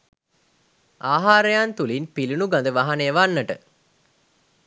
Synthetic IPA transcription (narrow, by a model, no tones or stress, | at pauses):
ʔaːɦaːɾejant̪ulinpilunuɡand̪əʋaɦanejəʋanːəʈə̰